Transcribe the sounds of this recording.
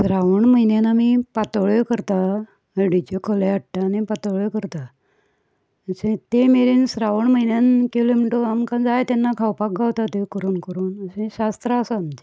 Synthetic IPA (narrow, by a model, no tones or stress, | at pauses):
sɾaʋəɳməjnjanamipat̪əɭekəɾt̪a | əɽit͡ɕekʰoleəʈʈ̪anipat̪əɭekəɾt̪a | əsẽt̪emeɾensɾaʋəɳməjnjankilomiʈoamkãd͡zajt̪anːakʰawpak̚ɡʱawt̪at̪ekəɾuːnkəɾuːnəsẽɕast̪ɾəsamd͡ʑe